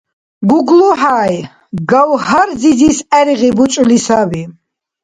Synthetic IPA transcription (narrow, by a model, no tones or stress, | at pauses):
ɡuɡlɔħaːj | ɡawhaɾzizisæɾiʁibut͡ʃʼlisabi